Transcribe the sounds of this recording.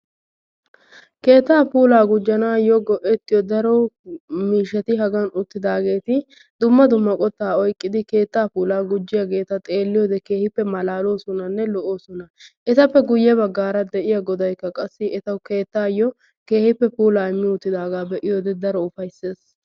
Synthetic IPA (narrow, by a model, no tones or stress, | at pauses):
ke̞ːt̪ːaːpuːlaːɡʊd͡ʒːɐnaːjɔɡɔʔɛt̪ːɪjɔd̪ɐɾɔmiːʃɐt̪ɪɦɐɡɐnʊt̪ːɪd̪aːɡe̞ːt̪ɪ | d̪ʊmːɐd̪ʊmːɐkʼɔt̪ːaːɔjkʼːɪd̪ɪke̞ːt̪ːaːpuːlaːɡʊd͡ʒːɪjɐɡe̞ːt̪ɐt̪ʼe̞ːlːɪjɔːd̪ɛke̞ːhɪpːɛmɐlaːlo̞ːsɔnɐnːɛlɔʔoːsɔnɐʔɛt̪ɐpːɛɡʊjːɛbɐɡːaːɾɐd̪ɛʔɪjɐɡɔd̪ɐjkːɐkʼɐsːɪʔɛt̪ɐwke̞ːt̪ːaːjɔ | ke̞ːhɪpːɛpuːlaːɪmːɪʊt̪ːɪd̪aːɡaːbɛʔɪjoːd̪ɛd̪ɐɾɔʊfɐjsːe̞ːs